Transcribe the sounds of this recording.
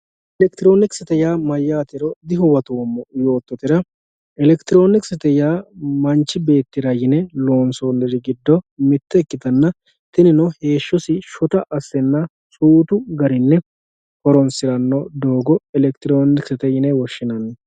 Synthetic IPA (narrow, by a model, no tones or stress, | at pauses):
ʔɛlɛkt̪ɪɾoːnɪksɛt̪ɛjaːmɐjːaːt̪ɪɾɔd̪ɪɦʊwɐt̪oːmːɔjo̞ːt̪ːɔt̪ɪɾɐ | ɛlɛkt̪ɪɾo̞ːnɪksɛt̪ɛjaːmɐnt͡ʃːɪbe̞ːt̪ːɪɾɐjɪnɛlo̞ːnsoːnɛɾɪɡɪd̪ːɔmɪt̪ːɛkːɪd̪ɐnːɐ | t̪ɪnɪnɔhe̞ːʃːɔsɪʃɔt̪ɐʔɐsːɛnːɐ | suːt̪ʊɡɐɾɪnːɛ | hɔɾɔnsɪɾɐnːɔd̪oːɡɔɛlɛkt̪ɪɾoːnɪksɛt̪ɛjɪnɛwɔʃːɪnɐnːɛ